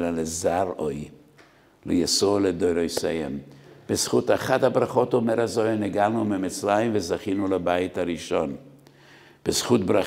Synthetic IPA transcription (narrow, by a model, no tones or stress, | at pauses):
lalezaɾoj | lejasoledojɾojsejhḛmb̥esχutaχadhabɾaχotomeɾazojneɡalnumemɪt͡slajimvəzaχinulabajɪthaɾiʃon | b̥esχutbɾa